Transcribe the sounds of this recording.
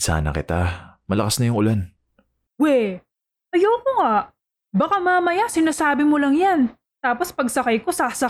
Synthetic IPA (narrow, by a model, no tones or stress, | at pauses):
sa̰ːnɐ̰kɪt̪amɐlɐkasnɐjʊŋʊlan | wɛ | ʔɐjoːkoŋaʔ | bɐkamaːmɐjasɪnaːsaːbɪmolɐŋjan | t̪aːpo̞spɐɡsɐkajko̞sasɐ